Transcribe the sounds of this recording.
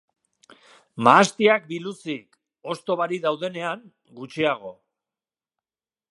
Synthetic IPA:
maːst̪iak̚bilusik | o̞st̪o̞βaɾiðawð̞e̞ne̞aŋ | ɡut͡ʃiaɣ̞o̞

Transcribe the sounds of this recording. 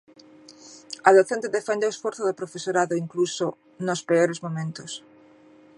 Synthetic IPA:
ɐðoθent̪eðefɛnd̪eoesfɔɾθoðɪpɾofesoɾaðoiŋkluso | nospeoɾezmomẽnt̪ʊs

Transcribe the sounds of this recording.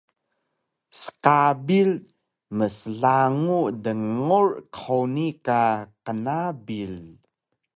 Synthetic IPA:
sə̥kabil | məsəɮaŋudəŋɔrkʰawnikakənabil

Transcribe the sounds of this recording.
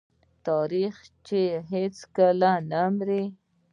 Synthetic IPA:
t̪ɑɾixt͡ʃeɦet͡skalanamɾi

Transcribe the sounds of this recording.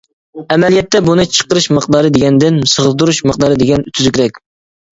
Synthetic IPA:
ɛmɛlijɛt̪ːɛbunɨt͡ʃʰə̥qəɾɨʃməq̚d̪ɑːɾɨd̪eɡʲɛnd̪ɪnsəʁəld̪uɾuʃməq̚d̪ɑːɾɨd̪eɡʲɛnyt̪ʰyzykʲɾɛkʲ

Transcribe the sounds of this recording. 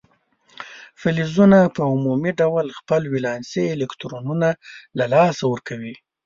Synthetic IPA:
fɪlizunapəʊmumiɖawlxpəlwilɑnseːlekt̪ɾonunalalɑsawəɾkawi

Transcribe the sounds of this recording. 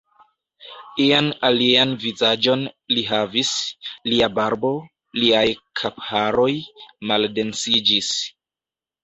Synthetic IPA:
ianalianvizad͡ʒo̞nliɦavisliabaɾbo̞ | liajkʰapaɾo̞jmalde̞nsid͡ʒis

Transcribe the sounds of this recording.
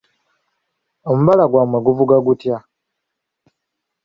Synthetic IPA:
o̞muβalaɡwamweɡuvuɡaɡutja

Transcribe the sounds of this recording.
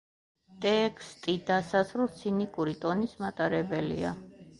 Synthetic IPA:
t̪ʼɛkʰst̪ʼid̪asazvɾlˠt̪sʰinikʼuɾit̪ʼɔnismat̪ʼaɾɛbɛlḭa̰

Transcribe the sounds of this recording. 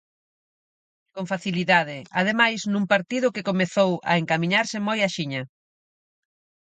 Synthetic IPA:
koɱfaθiliðað̞ɪað̞emajsnũŋpaɾt̪ið̞ʊkekomeθowɐ̰eŋkamĩɲaɾsɪmojaʃiɲɐ

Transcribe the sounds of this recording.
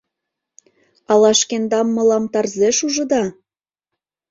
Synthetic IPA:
ɑlɑʃkend̪ɑmːɤ̆lɑmt̪ɑrzeʃuʒɤ̆d̪ɑ

